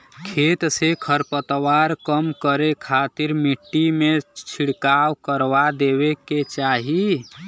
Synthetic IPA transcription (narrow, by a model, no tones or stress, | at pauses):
kʰet̪sekʰəɾpət̪waɾkəmkəɾekʰat̪iɾmiʈːimet͡ʃʰiɽkawkəɾʋad̪ebeket͡ʃaɦi